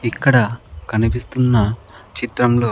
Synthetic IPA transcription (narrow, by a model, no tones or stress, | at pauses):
ikːɐɽɐkʰɐnipist̪unːɐ | t͡ʃit̪ɾɐmlo̞ː